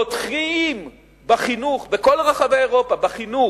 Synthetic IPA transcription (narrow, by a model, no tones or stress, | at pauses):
otχim | baχinuχbeko̞lʁaχavejeʁo̞pabaχinu